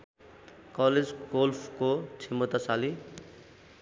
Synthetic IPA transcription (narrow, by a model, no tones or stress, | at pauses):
kʌled͡zɡolpʰkot͡sʰimʌt̪asali